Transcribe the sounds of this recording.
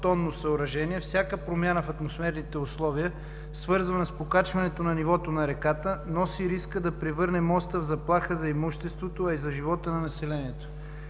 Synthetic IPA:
t̪ɔnːosɐʊɾɐʒɛniɛfsʲakəpɾomjanəfɐt̪mosmɛɾnit̪ɛʊslˠɔviə | svɤɾzvənɐspokat͡ʃvɐnɛt̪onɐnivɔt̪onɐɾɛkat̪ənɔsiɾiskəd̪ɐpɾɛvɤɾnɛmɔst̪əvzɐplˠaxəzɐɛmuʃt̪ɛst̪vot̪oɐizɐʒivɔt̪ənɐnɐsɛlɛniɛt̪o̥

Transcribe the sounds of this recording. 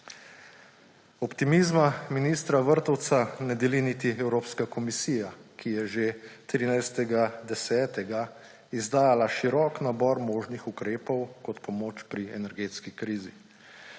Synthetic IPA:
ɔpt̪imiːzmaminiːst̪ɾaʋəɾt̪ɔwt̪sanɛd̪ɛlinit̪iɛwɾoːpskakɔmisiːjakʰijɛʒet̪ɾiːnajst̪ɛɡad̪ɛsɛːt̪ɛɡa | izd̪aːjalaʃiɾɔːknabɔːɾmoːʒnixukɾeːpɔwkɔt̪pɔmoːt͡ʃpɾiɛnɛɾɡeːt̪skikɾiːzi

